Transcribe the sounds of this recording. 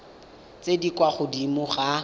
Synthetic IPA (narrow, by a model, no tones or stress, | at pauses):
t͡sedikʼwaχʊdimʊχa